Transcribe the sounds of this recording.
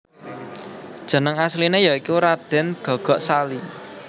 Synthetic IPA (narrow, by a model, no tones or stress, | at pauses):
d̥ʒ̥ə̤nəŋaslinejɔikuɾad̪̥ɛ̤nɡ̥ɔ̤ɡ̥ɔ̤ʔsali